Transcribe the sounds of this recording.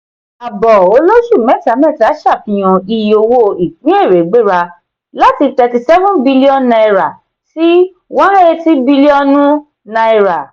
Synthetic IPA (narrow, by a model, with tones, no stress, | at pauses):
a˨bɔ˨o˧lo˦ʃu˦˨mɛ̃˨˦˨ta˨˦mɛ̃˦˨ta˨˦ʃa˦˨pĩ˨j̃ɔ̃˨i˧˨jo˧wo˦i˨k͡pĩ˨˦e˦˨ɾe˨ɡ͡be˦˨ɾa˧ | la˦ti˧tɛ˧ti˧sɛ˦vũ˦bi˦li˦ɔ̃˦˨nnã˧i˧ɾa˨ | ti˦ | wɔ̃˦e˧ti˦bi˦li˦ɔ˧nũ˦ | nã˧i˧ɾa˨